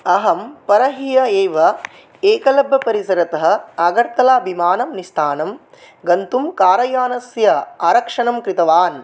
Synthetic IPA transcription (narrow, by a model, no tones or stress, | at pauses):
ɐɦɐmpɐɾɐɦijɐeːʋɐ | eːkɐlɐbʱːɐpɐɾisɐɾɐt̪ɐɦɐ̆ɐɡɐɾt̪ɐlaːbʱimaːnɐmnist̪ʰaːnɐm | ɡɐnt̪umkaːɾɐjaːnɐsjɐaːɾɐkʂɐɳɐmkɾit̪ɐʋaːn